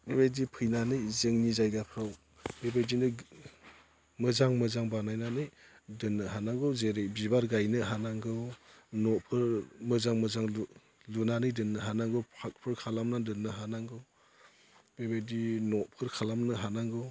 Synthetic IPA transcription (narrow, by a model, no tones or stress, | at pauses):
bebajdipʰɯjnanɯjzeŋnizajɡapʰɾaw | bebajdinɯ | mɯzaŋmɯzaŋbanajnanɯj | dɯnːɯhanaŋɡɯwzeɾejbibaɾɡajnɯɦanaŋɡɯwnɔʔpʰɯɾmɯzaŋmɯzaŋ | lunanɯjdɯnːɯɦanaŋɡɯwpʰak̚pʰɯɾkʰalamnadɯnːɯɦanaŋɡɯw | bebajdinɔʔpʰɯɾkʰalamnɯɦanaŋɡɯw